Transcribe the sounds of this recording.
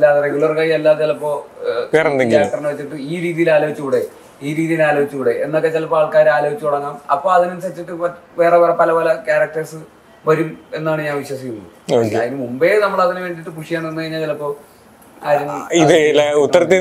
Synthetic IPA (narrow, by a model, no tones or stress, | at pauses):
elːaːðɨreɡjulɐrkaːjielːaːðɐlɐpːo̞ːkɐɾɐnːðeɡkiaːɾɐkkʈːɐrinɨʋet͡ɕːiʈːɨiːɾiːðijilaːlo̞it͡ɕːuɣuɽe̞ | iːɾiːðijilaːlo̞ːit͡ɕːuɣuɽeʔḛnːokːe̞t͡ɕelɐpoaːɭkaːɾaːloːʋit͡ɕːuuɽɐŋːaːmɐ̰pːo̞ːɐðinensɐt͡ɕːiʈːɨʋe̞ːreʋɐrepɐlɐpoːlɐkʲaːɾɐk̚ʈɐrsɨ | ʋɐɾume̞nːaːɳɨɲaːnʋiɕwɐsikʲːunːṵ | ðinɨmumbenɐmːɐɭɐðinɨʋe̞ːɳɖiʈːɨpuʂijaːɳenːɨkɐɻiɲːaːt͡ɕelɐpːo̞ː | aɾuniðlaut̪ːɐɾɐt̪ːji